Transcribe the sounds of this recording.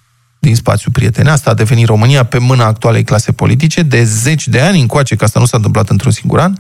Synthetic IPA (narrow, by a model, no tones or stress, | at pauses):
d̪inspa̰t̪sjupɾie̞t̪e̞neast̪ad̪e̞ve̞nit̪ro̞mɨnijape̞mɨnaːk̚t̪uale̞jklase̞po̞̰lʔit̪̬it͡ʃe̞d̪e̞ze̞t͡ʃʲd̪e̞anʲɨŋkoat͡ʃe̞kast̪anusant̪ɨmplat̪ɨnt̪ɾunsiŋɡṵɾan